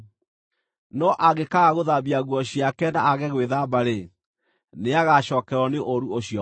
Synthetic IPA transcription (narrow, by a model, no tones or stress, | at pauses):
nɔʔaɣekaɣaɣoðaβiaɣwɔɕiakɛnaːɣɛɣweðabaɾe | neaɣaʃɔːkɛɾɔneʔoɾuoɕiɔ